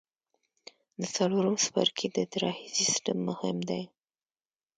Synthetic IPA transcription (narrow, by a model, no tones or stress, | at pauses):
d̪ət͡saloɾəmspa̰ɾkʰid̪ət̪ɾɑhisisʈamːʊhɪmd̪aj